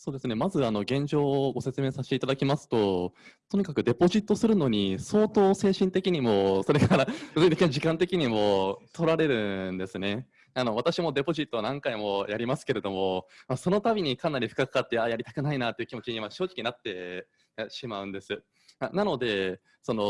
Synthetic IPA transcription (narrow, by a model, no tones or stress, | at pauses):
so̞ːd̪e̞sɨne̞mazɨano̞ɡẽ̞ɲ̟d͡ʑo̞ːɡo̞se̞t͡sɨme̞ːsaɕe̥t̪eit̪ad̪akʲimasɨ̥t̪o̞t̪o̞ɲ̟ikakɯ̟d̪e̞po̞ʑit̪ːo̞sɨɾɯ̟no̞ɲ̟iso̞ːt̪o̞ːse̞ːɕĩnt̪e̞kʲiɲ̟imo̞so̞ɾe̞kaɾabɯzɨɲit̪ekiɲad͡ʑikãnt̪e̞kʲiɲ̟imo̞t̪ʰo̞ɾaɾe̞ɾɯ̟̃nd̪e̞sɨne̞ | ano̞β̞at̪aɕimo̞d̪e̞po̞ʑit̪ːoanãŋkaimo̞jʔaɾʲimasɨ̥ke̞ɾe̞d̪o̞mo̞maso̞no̞t̪abʲiɲ̟ikãnaɾʲiɸɯ̟̥kakɯ̥kat̪ːe̞ajaɾʲit̪ḁkɯ̟nainat̪ːeiɯ̟kʲimo̞t͡ɕiɲimaɕo̞ːʑi̥kʲiɲinat̪ːe̞ | jaɕimaɯ̟̃nd̪e̞sɨ | anano̞d̪e̞ | so̞no̞